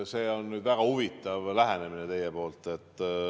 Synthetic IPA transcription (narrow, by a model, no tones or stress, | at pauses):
se̞ːo̞nːyːd̪væɡ̥ɑhuvit̪ːˑɑvlæɦæne̞minet̪e̞jepo̞ːlt̪ːˑe̞t̪ːˑ